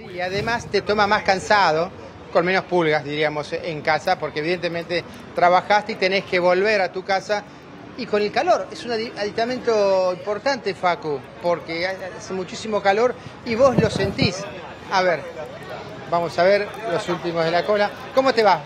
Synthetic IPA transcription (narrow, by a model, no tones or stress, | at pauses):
siaðemast̪et̪o̞mamaskansað̞o̞ | ko̞nme̞no̞spulɣazðiɾiamo̞seŋkasapoɾkeβiðe̞nt̪emẽnt̪e | t̪ɾaβaxast̪eit̪ene̞skeβo̞lβeɾat̪ukasa | iko̞nelkalo̞ɾesunaiaðik̚t̪amẽnt̪o̞impo̞ɾt̪ant̪efaku | po̞ɾkeaasemut͡ʃisimo̞kalo̞ɾiβo̞zlo̞se̞nt̪is | aβeɾ | bamo̞saβeɾlo̞sult̪imozð̞elakola | ko̞mo̞t̪eβas